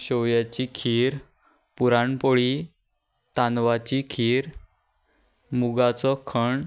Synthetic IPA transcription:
ɕɔwjat͡ɕikʰiɾ | puɾaɳpoɭi | t̪anʋat͡ɕikʰiːɾ | muɡat͡sɔkʰəɳ

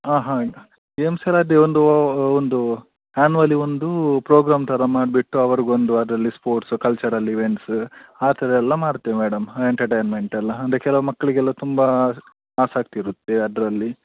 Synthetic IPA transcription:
aːɦaːɡɐ | emselaːd̪eond̪uond̪u | aːnuʋɐlio̞nd̪upɾoːɡɾaːmt̪ʰɐɾɐmaːɖbiʈːuɐʋɐɾiɡond̪uɐd̪ɾɐlːispoːɾʈskɐlt͡ʃɐɾɐlːiʋe̞ɳʈsaːt̪ɐɾɛɛlːɐmaːɽt̪ːemeːɽɐmeɳʈɐɾʈejnme̞ɳʈɛlːɐɐnd̪ɾekɛlɐʋɐmɐkːɐɭiɡɛlːɐt̪umbɐ | aːsaːk̚t̪iɾut̪ːeɐd̪ɾɐlːi

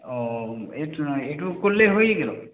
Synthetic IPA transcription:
ɔeeʈukolleɦojeɡelo̰

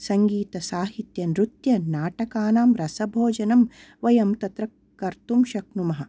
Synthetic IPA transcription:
sɐŋɡiːt̪ɐsaːɦit̪jɐnɾut̪jɐnaːʈɐkaːnaːmɾɐsɐbʱoːd͡ʒɐnɐm | ʋɐjɐmt̪ɐt̪ɾɐ | kːɐɾt̪umʃɐknumɐɦɐ

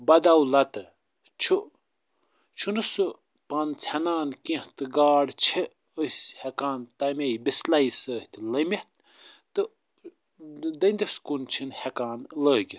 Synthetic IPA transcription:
bɐd̪awlɐt̪ɨ | t͡ʃʰu | t͡ʃʰunɨsɨ | pant͡sʲʰɐnaːnkĩht̪ɨɡaːɽt͡ʃʰi | əsʲhekaːnt̪ɐmʲejbislajsəːht̪ʲlɐmʲiht̪̚ | t̪ɨ | d̪ɐnʲd̪iskunt͡ʃʰinhekaːnləːɡʲi

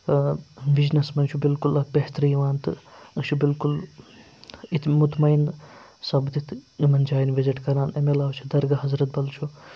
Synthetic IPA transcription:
biznɐsmɐnt͡ʃʰubilkulɐk̚beɦt̪ɾiʋaːnt̪ɨɐkt͡ʃʰubilkul | it̪mut̪mɐjnsɐbd̪it̪ʰimɐnd͡ʒaːjnʋeziʈkɐɾaːnemelaːwt͡ʃʰud̪ɐɾɡɐɦɐzɾɐt̪̚bɐlt͡ʃʰu

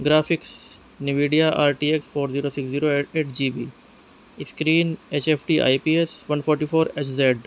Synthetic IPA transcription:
ɡɾaːfɪks | nɪʋiːɖijaʔaːɾʈiekspoːɾziːɾoːsɪksziːɾoːeʈeːʈd͡ʒiːbḭː | skɾiːneːt͡ʃeːpʰʈiːʔa̰ipiːesʋɐ̃npʰɔːɾʈiːfʰoːɾet͡ʃzeɖ

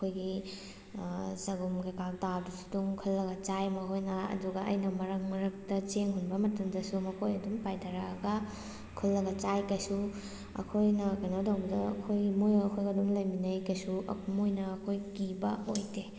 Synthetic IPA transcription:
ɐkʰojɡi | zɐɡumɡekak̚dadusu̥duŋkʰɐlːɐɡɐt͡ʃajmɐɦojnaɐ̰duɡɐʔɐ̰jnɐmɐɾɐkmɐɾɐk̚tɐt͡ʃeŋɦunbɐmɐtɐmdɐsumɐkʰojɐdumpajdɐɾaɐɡɐ | kʰɐlːɐɡɐt͡ʃajkɐjsu | ɐ̰kʰojnɐkanawdawbɐdɐɐ̰kʰojɡimojɐkʰojɡɐduŋlɐjminɐjkɐjsuʔɐ̰kʰumojnɐːkʰojkibɐojte

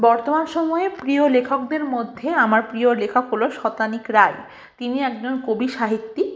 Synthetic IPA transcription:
bɔɾt̪omanʃɔmɔepɾiolekʰok̚d̪eɾmod̪ʱːeamaɾpɾiolekʰakɦoloʃɔt̪anikɾaj | t̪iniɛk̚d͡ʑonkobiʃaɦit̪ːi

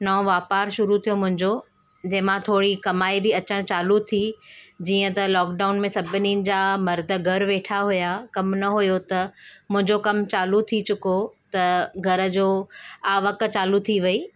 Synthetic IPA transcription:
nɐõʋaːpaːɾʃʊɾut̪ʰijomʊ̃ɦɪ̃ɲd͡ʑo | d͡ʑɐɦɪ̃mãt̪ʰoːɽikɐmaːibɪɐt͡ɕəɽ̃t͡ɕaːlut̪ʰid͡ʑiːə̃t̪ɐlɔːkɖaːʊnmẽsɐbʱɪninɪ̆d͡ʑaːmɐɾd̪ʱə̆ɡʱɐɾʋeːʈʰaɦujakɐmnɐɦujot̪ɐmʊ̃ɦɪ̃ɲd͡ʑokɐmt͡ɕaːlut̪ʰit͡ɕʊkot̪ɐɡʱɐɾə̆d͡ʑoːaːʋɐkt͡ɕaːlut̪ʰiʋɐiː

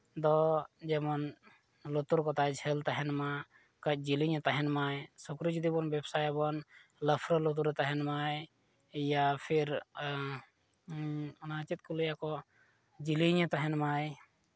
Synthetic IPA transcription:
d̪ɔd͡ʒɛmɔn | lut̪uɾkɔt̪ajd͡ʒʰʱɛlt̪aɦɛnma | kəc̚ˀd͡ʒiliɲət̪aɦɛnmajsukɾid͡ʒud̪ibɔnbɛbsajɛbɔnləpʰɾəlut̪̬uɾɛt̪aɦɛnmaj | japʰiɾ | ɔnat͡ʃit̪̚kɔləjakɔ | d͡ʒiliɲət̪aɦɛnmaj

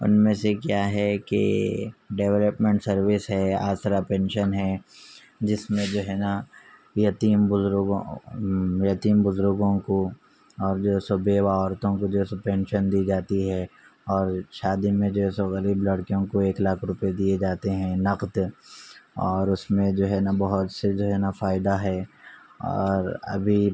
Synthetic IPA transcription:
ʊ̰nmẽsekjaːɦɛkḛɖeːʋləpmẽɳʈsɐɾwɪsɦɛa̰ːsɾapɛ̃ːnʃənɦɛ | d͡ʒɪsmẽd͡ʒoːɦɛna | jɐt̪iːmbʊzɾɡõ | jɐt̪iːmbʊzɾʊɡõko | ɔːɾd͡ʒoːɦɛsobʱewaɔːɾt̪õkod͡ʒoːɦɛsopɛ̃ːnʃənd̪iːd͡ʒaːt̪iɦɛɔːɾʃaːd̪imẽd͡ʒoːɦɛːsoɣɐɾiːblɐɽkijõkoeːklaːkʰɾʊped̪ied͡ʒaːt̪eɦɛ̃nɐqd̪ | ɔːɾʊsmẽd͡ʒoːɦɛnabɐɦʊt̪sed͡ʒoːɦɛnafaːɪd̪aɦɛːɔ̰ːɾɐ̰bʱi

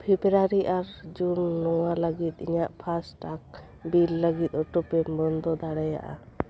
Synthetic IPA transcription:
pʰibɾaɾiʔaɾd͡ʒunːɔwaləɡit̪̚ḭɲaʔpʰasʈak̚ | bilːəɡit̪̚ˀɔʈɔpɛbɔnd̪ɔd̪aɽɛja̰ʔa̰

